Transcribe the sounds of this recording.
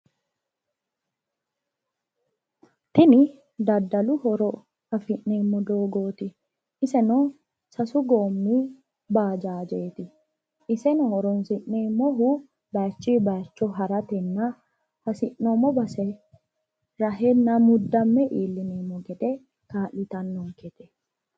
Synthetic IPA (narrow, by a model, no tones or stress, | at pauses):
t̪ɪnɪ | d̪ɐd̪ːɐlʊhɔɾɔ | hɐfɪʔneːmːɔd̪oːɡoːt̪ɪ | ɪsɛnɔ | sɐsʊɡoːmːi | baːd͡ʒaːd͡ʒeːt̪ɪ | ʔɪsɛnɔhɔɾɔnsɪʔneːmɔɦʊ | bɐt͡ʃːiːbɐjt͡ʃːɔɦɐɾɐt̪ɛnːɐ | hɐsɪʔːoːmːɔbɐsɛ | ɾɐɦɛnːɐmʊd̪ːɐmːɛʔiːlːɪniːmːɔkɛt̪ɛ | kaːʔɪt̪ɐnːɔkɛt̪ɛ